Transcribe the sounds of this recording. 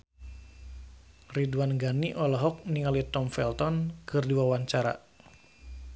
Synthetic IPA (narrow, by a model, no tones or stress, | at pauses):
ridwanɡaniʔɔlɔɦɔk̚niŋalit̪ɔmfɛlt̪ɔnkɨrdiwawaɲt͡ʃaɾa̰